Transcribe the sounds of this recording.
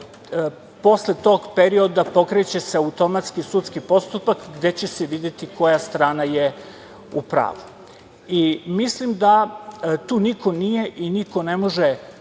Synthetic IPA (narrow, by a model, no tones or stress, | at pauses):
po̞sle̞t̪o̞ɡpeɾio̞d̪apo̞kɾet͡ɕe̞seaut̪o̞mat̪skisut̪skipo̞st̪upakɡd̪e̞t͡ɕe̞seʋid̪jet̪iko̞jast̪ɾaːnaje | upɾa̰ːʋu | imislimd̪at̪uːniko̞nije̞ʔiniko̞ne̞mo̞ʒe